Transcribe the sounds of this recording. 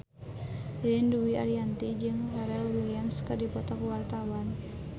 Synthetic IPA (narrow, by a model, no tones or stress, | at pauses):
linduwiʔaɾiant̪id͡ʒɨŋraɾɛlwiliamskɨrdipɔt̪ɔkuwart̪awan